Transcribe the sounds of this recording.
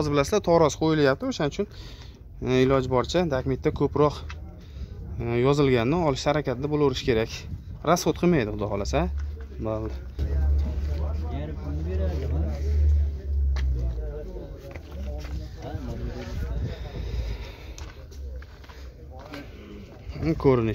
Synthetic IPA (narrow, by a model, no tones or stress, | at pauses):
ɒzɪbɪlasɪzat̪ʰɒɾɒsqʰojɪljap̚t̪ɪoʃanɪt͡ʃʰʊn | ɪlɒd͡ʒbɒɾt͡ʃʰad̪akʲmet̪ːakʰɵpɾɒq | jɒzɪlɡʲannɪɒlˠɪʃhaɾakʲʰat̪ʰɪd̪abolˠoɾɪʃkʲʰe̞ɾakʲɾasot̪qʰɨmajd̪ɪχʊd̪ɒhɒlasabal | kʰɵɾɪnɪ